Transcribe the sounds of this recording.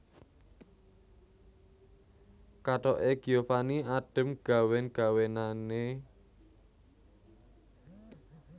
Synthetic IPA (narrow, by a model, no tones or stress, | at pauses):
kaʈɔʔeɡ̥iofaniaɖ̥ə̤mɡ̥a̤wɛnɡ̥a̤wenane